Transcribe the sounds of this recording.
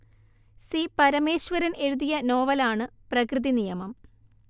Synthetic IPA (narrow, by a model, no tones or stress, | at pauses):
sipɐɾɐme̞ːɕʋɐɾɐne̞ɻuðijɐno̞ːʋɐlaːɳɨprɐkrɨðinijɐmɐm